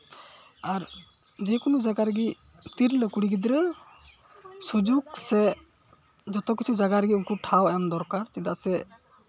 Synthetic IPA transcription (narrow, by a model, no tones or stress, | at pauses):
aɾ | d͡ʒɛkunɔd͡ʒaɡaɾɡi | t̪iɾləkuɽiɡid̪ɾɛ | sud͡ʒuɡsɛ | d͡ʒɔt̪ɔkːit͡ʃʰud͡ʒaɡaɾɡiuŋkuʈʰawajamd̪ɔɾkaɾt͡ʃid̪aʔsɛ